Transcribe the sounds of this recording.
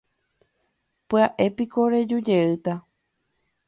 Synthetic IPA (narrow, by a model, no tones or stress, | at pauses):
pɨaʔe̞piko̞ɾed͡ʒud͡ʒeɨt̪a